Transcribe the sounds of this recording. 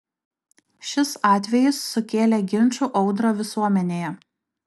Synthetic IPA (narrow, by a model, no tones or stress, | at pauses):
ʃʲɪsɑːt̪ʲʋʲɛjɪsːʊkʲeːlʲɛɡʲɪnʲˑt͡ʃuʔɒʊd̪ɾoːʋʲɪsuɔmʲɛnʲeːjɛ